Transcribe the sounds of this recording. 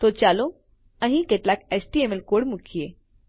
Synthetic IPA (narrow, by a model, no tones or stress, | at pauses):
t̪ot͡ɕalo | ə̃ɦĩkeʈlakesʈiemelkoɽmukʰije